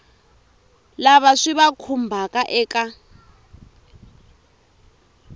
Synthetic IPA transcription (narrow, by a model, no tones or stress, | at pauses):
laβaʂiβakʰumbʱakʼaʔɛːkʼa